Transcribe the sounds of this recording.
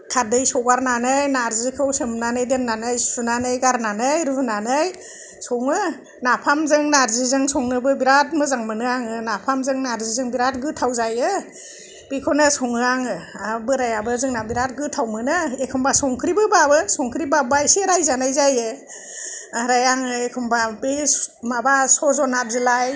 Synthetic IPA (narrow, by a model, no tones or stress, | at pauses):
tʰadɯjsɔwɡaɾnanɯjnaɾzɯkʰɯwsɯmnanɯjdenːanɯjsunanɯjɡaɾnanɯjɾuunanɯj | sɔŋɯ | napʰamzɯŋnaɾzɯzɯŋsɔŋnɯbɯbiɾat̚mɯzaŋmɯnɯaŋɯnapʰamzɯŋnaɾzizɯŋbiɾat̚ɡɯtʰawzajɯ | b̥ekʰɔnɯsɔŋɯaŋɯabɯɾajabɯzɯŋnabiɾat̚ɡɯtʰawmɯnɯekʰɯmbasɔŋkʰɾibɯbabɯsɔŋkʰɾibabajseɾajzanajzajɯ | ɾajaŋɯekʰɯmbabesmabasɔzɔnap̚zɯlaj